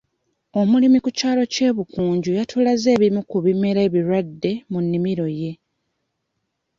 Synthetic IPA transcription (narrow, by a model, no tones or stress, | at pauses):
o̞mulimikucaːlo̞ce̞ːβukuːɲɟujatʰulaze̞ːβimukuβimeɾe̞ːβiɾwadːe̞munːimiɾo̞je̞